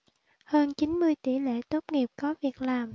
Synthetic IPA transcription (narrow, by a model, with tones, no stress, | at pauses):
həː˧nt͡ɕi˨˦nmɨ˧əjt̪i˧˩lḛ˧˨t̪o˦˥t̚ŋi˨˩əp̚kɔ˨˦vi˨˩ək̚laː˨˩m